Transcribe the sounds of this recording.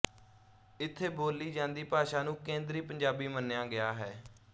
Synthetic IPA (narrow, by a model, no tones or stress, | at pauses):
ɪt̪ʰːeːboːliːd͡ʒãːnd̪iːpaːʃaːnũːkẽːnd̪ɾiːpəɲd͡ʒaːbiːmənːjaːɡɪjaːɦɛː